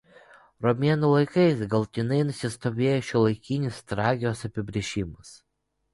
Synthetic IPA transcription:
ɾɔmʲeɛnulˠɐɪkɐɪsɡɐlˠt̪ʲɪnɐɪnʊsʲɪst̪oːʋʲeːjoʃʲɪlˠɐɪkʲɪnʲɪst̪ɾɑːɡʲɪosɐpʲɪbʲɾʲɪʒʲɪmɐs

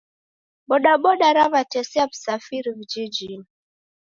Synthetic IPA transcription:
ɓɔɗaɓɔɗaɾavatɛsɛaku̥safiɾivid͡ʒid͡ʒi

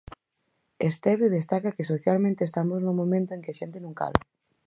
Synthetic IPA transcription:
est̪ɛβeðest̪akɐkɪsoθjalmẽnt̪eːst̪amoznomõmẽnt̪oeŋkɪaʃent̪enũŋka̰la

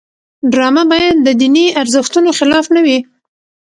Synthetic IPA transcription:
ɖɾɑmabɑjad̪ːəd̪iniaɾzɪxt̪unoxɪlɑfnawi

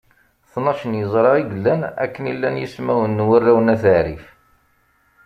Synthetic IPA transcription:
θnɑʃənjəzˤɾˤɑiɡəlːænæ̰kːənilːænjismæwənːwərːæwənæθəʕɾif

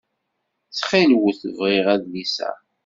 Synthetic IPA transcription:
t͡sːχilwəθəvʁiʁæðlisæ̰

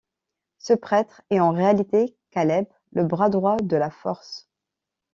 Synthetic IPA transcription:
səpχɛt̪χɛɑ̃ʁealit̪ekalɛb | ləbʁad̪ʁwad̪əlafɔʁs

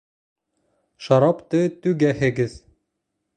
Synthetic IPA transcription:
ʃɑɾɑpt̪ɤt̪ʉɡæhɘ̆ɡɘð

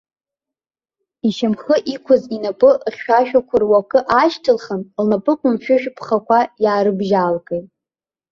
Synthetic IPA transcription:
iʃamχəʔikʷʰʊzinapʼɨχʲʃaʃᶣakʷʰʊrwakʼɨʔaʃtʰɨlχamlnapʼɨqʷʼʊmʃᶣʊʃᶣpʰχakʷʰajaːɾɨbʒaːlkʼejtʼ

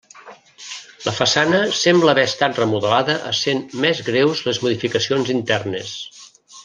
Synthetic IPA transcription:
ləfəsanəsɛmbləβɛəst̪at̪rəmuðəlaðəʔəsenmɛzɣɾewzlezmuðifikəsionzint̪ɛrnḛs

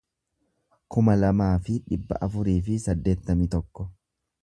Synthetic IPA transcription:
kʊmɐlɐmaːfɪᶑɪbːɐ̰ʔɐfʊɾiːfɪsɐd̪ːe̞ːt̪ːɐmɪt̪ɔkːɔ

